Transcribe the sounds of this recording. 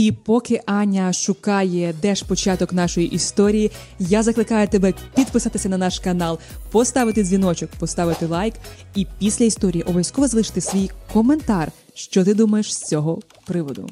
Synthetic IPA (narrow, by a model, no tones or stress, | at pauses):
ipɔkɪʔɑnʲɐʃʊkɑjɛd̪ɛʃpɔt͡ʃɑt̪ɔkn̪ɑʃɔjiʔist̪ɔɾʲiji | jazɐklˠɪkɑjʊt̪ebɛpʲid̪pɪsɑt̪ɪsʲɐnɐnɑʃkɐnɑlˠpɔst̪ɑʋɪt̪ɪzʲʋʲinɔt͡ʃɔkpɔst̪ɑʋɪt̪ɪlˠɑjkipʲisʲlʲɐist̪ɔɾʲijiʔɔbɔʋjsʲkɔʋɔzlˠɪʃɪ̥t̪ɪsʲʋʲijkɔment̪ɑr | ʃt͡ʃɔt̪ɪd̪umɐjeʃsʲt͡sʲɔɦɔ | pɾɪʋɔd̪ʊ̰